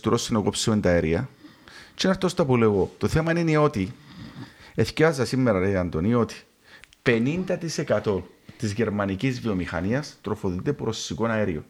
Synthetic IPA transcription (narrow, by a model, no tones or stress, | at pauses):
t̪uɾosinokopsent̪ɐeɾiɐ | t͡ʃinɐɾt̪ost̪ɐpuleɣot̪o̞θe̞mɐnineo̞t̪i | e̞θcevɐzɐsimːeɾɐɾeɐnd̪onio̞t̪i̥ | pe̞nind̪ɐt̪ise̞kɐt̪o̞nt̪izʝe̞ɾmɐnicizvio̞mixɐ̰niɐst̪ɾo̞foðit̪epɾo̞sikonɐeɾio̰